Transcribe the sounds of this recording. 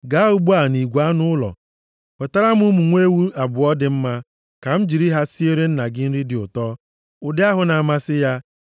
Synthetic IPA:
ɡa˨˦ʊ˦bu˦a˨ni˨ɡʷu˨a˦nʊ˦ʊ˦lɔ̰˨ | pɔ˨ta˦ɾa˦m˦ʊ˦mu˨ŋʷe˦wu˦a˨bʊ˨ɔ˦dɪ˨m̩˦ma˦ | ka˨m̩˦d͡ʒi˨ɾi˦ɦa˦si˦e˦ɾe˦n̩˦na˨ɡɪ˦n̩˦ɾi˦dɪ˨ʊ˨tɔ˦ | ʊ˨dɪ˦a˦ɦʊ˨na˨ma˦sɪ˦ja˦

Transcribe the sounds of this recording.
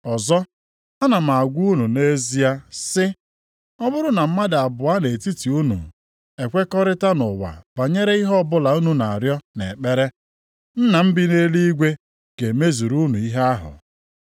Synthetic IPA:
ɔ˨zɔ˦ | a˦na˨m̩˨a˨a˨ɡʷu˦nu˨ne˦zi˦a˦sɪ˦ | ɔ˦bʊ˦ɾʊ˦na˨m̩˦ma˦dɪ˨a˨bʊ˨a˦ne˨ti˦ti˨u˦nṵ˨ | e˨kʷe˦kɔ˦ɾɪ˦ta˦nʊ˨wa̰˨b̥a˨ɲe˦ɾe˦i˦ɦɔ˦bʊ˦la˨u˦nu˨na˨ɾjɔ˦nḛ˨k͡pe˦ɾe˦ | n̩˦na˨m̩˦bɪ˦ne˦li˦ɡʷe˦ | ɡ̥e˨me˦zu˨ɾu˦nu˨i˦ɦe˦a˦ɦʊ̰˨

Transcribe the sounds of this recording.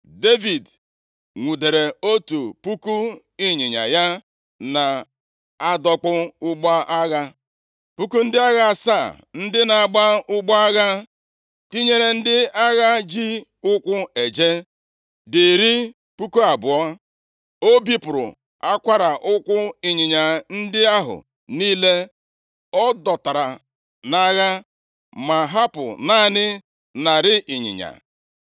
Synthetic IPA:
de˦vi˨d | ŋʷu˨de˨ɾe˨o˦tu˨pu˦ku˦ | i˦ɲɪ˨ɲa̰˨ja˦ | na˨ | a˦dɔ˦k͡pʊ˦ʊ˦ɡ͡ba˦ʔa˦ɣa˦ | pu˦ku˦n̩˦dɪ˦a˦ɣa˦˨sa˦˨ | n̩˦dɪ˦na˨a˨ɡ͡ba˦ʊ˦ɡ͡bɔ˦a˦ɣa˦ | ti˦ɲe˨ɾe˨n̩˦dɪ˦a˦ɣa˦d͡ʒi˦ʊ˦kʷʊ˦e˨d͡ʒe˦ | di˨ɾi˦ | pu˦ko˦a˨bʊ˨ɔ˦ | o˦bi˦pʊ˨ɾʊ̰˨ | a˦kʷa˦ɾa˨ʔʊ˦kʷʊ˦i˨ɲɪ˨ɲa˨n̩˦dɪ˦a˦ɦʊ̰˨ | niː˦le˦ | ɔ˦dɔ˨ta˨ɾa˨ | na˦ɣa˦ | ma˨ɦa˦pʊ̰˨naː˦˨nɪ˦ | na˨ɾɪ˦ʔi˨ɲɪ̰˨ɲa̰˨

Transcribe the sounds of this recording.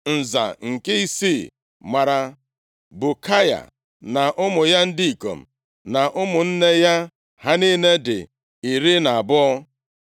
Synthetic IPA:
n̩˨za̰˨ŋ̩˨ke˦i˦si˦˨ | ma˨ɾa˨ | bu˨kʰa˦ja̰˨ | na˨ʔʊ˦mʊ˨ja˦n̩˦di˦i˨ko̰˨m̩̰˨ | na˨ʔʊ˦mʊ˨n̩˦ne˦ja˦ | ha˦ni˦ne˦dɪ̰˨ | i˨ɾi˦na˨a˨bʊ˦ɔ˦

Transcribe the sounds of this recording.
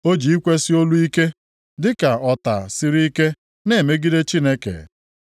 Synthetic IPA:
o˦d͡ʒi˨i˦kʷe˦si˦o˦lu˦i˦ke˦ | dɪ˦ka˨ɔ˨ta̰˨si˦ɾi˦i˦ke˦ | ne˨me˦ɡi˦de˦t͡ʃi˦ne˦kḛ˨

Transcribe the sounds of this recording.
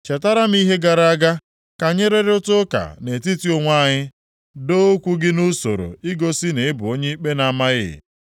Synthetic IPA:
t͡ʃe˨ta˦ɾa˦m̩˦i˦ɦe˦ɡa˨ɾa˦a˦ɡa˦ | ka˨ɲe˦ɾe˦ɾʊ˦tʊ˦ka̰˨ne˨ti˦ti˦o˦ŋʷa˦˨ɲɪ˦ | do˦o˦kʷu˦ɡɪ˦nu˦so̰˨ɾo̰˨ɪ˦ɡo˦sɪ˦ne˨ɪ˦bʊ̰˨o˦ɲe˦i˦k͡pe˦na˨a˦˨ma˦ɣɪ̰˦˨

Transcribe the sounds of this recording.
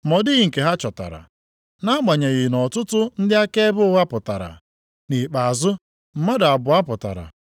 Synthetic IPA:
mɔ˨dɪ˦ɣɪ˦ŋ̩˨ke˨ɦa˦t͡ʃɔ˨ta̰˨ɾa̰˨ | na˦ma˨ɲe˨ɣɪ˨nɔ˨tʊ˦tʊ˦n̩˦dɪ˦a˦ke˦e˦bʊ˦ʊ˦wa˦pʊ˨ta˨ɾa̰˨ | ni˨k͡pa˨a˨zʊ˦ | m̩˨ma˦da˨bʊ˨a˦pʊ˨ta̰˨ɾa̰˨

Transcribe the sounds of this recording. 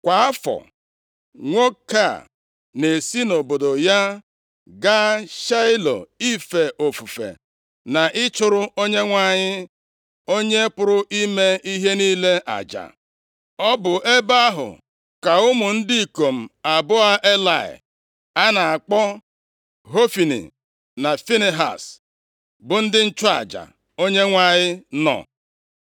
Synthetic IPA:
kʷa˨a˦fɔ̰˨ | ŋʷo˦ka̰˦˨ | ne˨si˦no˨bo˨do˨ja˦ | ɡa˦ʃa˦ɪ˦lo̰˨i˦fe˨ʔo˨fu˨fḛ˨ | na˨ʔɪ˦t͡ʃʊ˨ɾʊ˦o˦ɲe˦ŋʷa˨ɲɪ˦ | o˦ɲe˦pʊ˦ɾʊ˦ʔi˦me˦i˦ɦe˦niː˦le˦ʔa̰˨d͡ʒa̰˨ | ɔ˦bʊ˨ʔe˦ba˦ɦʊ̰˨ | ka˨ʊ˦mʊ˨n̩˦di˦i˨ko˨m̩˨a˨bʊ˦a˦ʔe˦la̰˨ɪ̰˨ | a˦na˨a˨k͡pɔ˦ | ɦo˦fi˨nḭ˨ | na˨fi˦ne˨ɦa̰˨s | bʊ˨n̩˦dɪ˦n̩˦t͡ʃʊ˦a̰˨d͡ʒa̰˨ | o˦ɲe˦ŋʷa˨ɲɪ˦nɔ̰˨

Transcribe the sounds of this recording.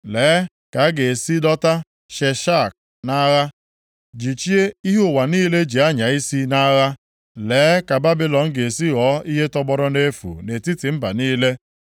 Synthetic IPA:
leː˨˦ | ka˨˦ɡe˨si˦dɔ˦ta˦ | ʃe˨ʃa˦˨k̚ | na˦ɣa˦ | d͡ʒi˨t͡ʃi˦e˦i˦ɦo˦˨wa˨niː˦le˦d͡ʒi˨a˦ɲa˨i˦si˦na˦ɣa˦ | leː˨˦ka˨ba˦bi˦lɔ˨ŋ̩˦ɡe˨e˨si˦ɣɔː˨˦i˦ɦe˦tɔ˦ɡ͡bɔ˦ɾʊ˦ne˦fṵ˨ne˨ti˦ti˨m̩˦ba̰˨niː˦le˦

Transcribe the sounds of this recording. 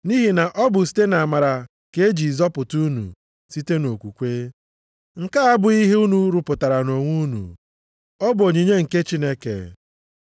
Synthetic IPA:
ni˦ɦi˨na˨ʔɔ˦bʊ˨si̥˦te˦na˨a˨ma˨ɾa˨ | ke˦e˦d͡ʒi˨zɔ˦pʊ˨tu˦nṵ˨ | si˦te˦no˨kʷu˨kʷe˦ | ŋ̩˨ka˦a˦bʊ˨i˦ɦe˦u˦nu˨˦ɾʊ˨pʊ˨ta˨ɾa˨no˨ŋʷu˦nṵ˨ | ɔ˦bʊ˨o˨ɲi˨ɲe˦ŋ̩˨ke˦t͡ʃi˦ne˦kḛ˨

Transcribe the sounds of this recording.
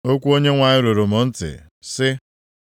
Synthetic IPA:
o˦kʷu˦o˦ɲe˦ŋʷa˨ɲɪ˦ɾo˨ɾo˨mʊ˨n̩˦tɪ̰˨ | sɪ˦

